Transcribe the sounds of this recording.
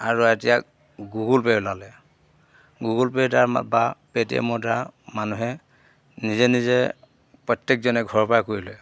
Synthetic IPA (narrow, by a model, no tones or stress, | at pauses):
aɹuetijak̚ | ɡuɡulpeɹlalɛ | ɡuɡulpeɹtaɹbapetiɛ̰mɔdaɹmanuɦɛ | nizɛnizɛ | pɹɔtːɛk̚zɔnɛɡʱɔɹpajkoɹilɛ